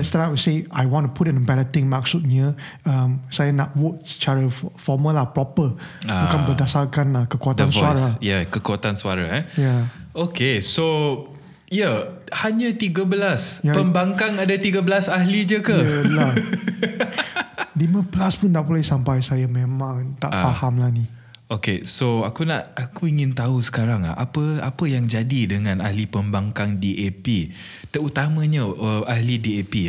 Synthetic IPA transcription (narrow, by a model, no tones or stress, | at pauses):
ɛtst̪anawiseajwɔ̃ntupʰutɛ̃nəbɛlət̪ɪ̃ŋmak̚sut̪̚ɲə | əmsajənaʔwot̚sə̥t͡ʃaɾəfɔməlahpɹɔpəakanbədasakanlakəkuat̪ãnswaɾajakəkuat̪ansua̰ɾa̰ɛjaokeso | jahaɲət̪iɡəbəlasjapəmbaŋkaŋadat̪iɡəbəlasaɦlid͡ʒəkəəla | diməplaspʊnːaʔpolɛhsampajsajamemãŋt̪a̰ʔfahamlani | okḛsoakunaʔakuiŋɪ̃nt̪ausə̥kaɾaŋa̰ʔa̰pəa̰pəjaŋd͡ʒadidəŋãna̰hlipəmbaŋkaŋdiʔepi | t̪əɾut̪amə̃ɲəəahlidiepi